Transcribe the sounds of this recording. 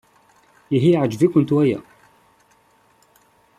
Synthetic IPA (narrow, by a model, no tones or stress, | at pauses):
iɦiʕəd͡ʒvikʊnt̪wæjæ̰